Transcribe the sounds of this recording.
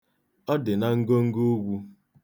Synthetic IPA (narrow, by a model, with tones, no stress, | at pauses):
ɔ˦dɪ˨na˨ŋ̩˦ɡo˦ŋ̩˦ɡo˦ɡʷu˦